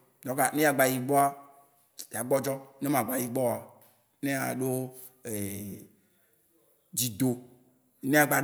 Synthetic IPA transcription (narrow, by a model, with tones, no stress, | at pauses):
dɔ̃˨˦ka˨ne˦ja˨ɡ͡ba˨ji˨ɡ͡bɔ˦a˦ | ja˨ɡ͡bɔ˦d͡ʒɔ˦ne˦mã˨ɡ͡ba˨ji˨ɡ͡bɔ˦˨a˨ | ne˦a̰˨ɖo˦ | e˨ | d͡ʒi˨d̪o˨ | nẽ˦a˨ɡ͡ba˨